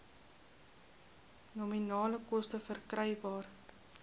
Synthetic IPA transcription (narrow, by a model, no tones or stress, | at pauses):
nominɑːləkɔstəfərkrəjbɑːr